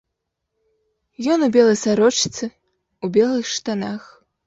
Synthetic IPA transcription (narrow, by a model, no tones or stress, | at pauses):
jɔnubʲɛlˠɐjsaɾɔt͡ʂt̪sɨ | ubʲɛlˠɨxʂt̪anax